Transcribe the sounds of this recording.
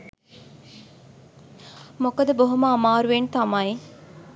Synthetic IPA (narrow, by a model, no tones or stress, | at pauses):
mokɐd̪əboɦuməamaːɾuʋent̪ɐmɐi